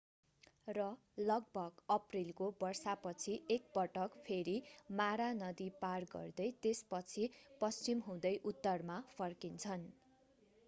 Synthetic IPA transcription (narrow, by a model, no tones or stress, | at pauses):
rʌ | lʌɡ̚bʱʌɡʌprilkobʌrsapʌt͡sʰiʔek̚bʌʈʌkpʰeɾimaɾanʌd̪iparɡʌ̰rd̪ʌjt̪espʌt͡sʰipʌst͡simɦũd̪ʌjʔut̪ːʌrmapʰʌrkint͡sʰʌn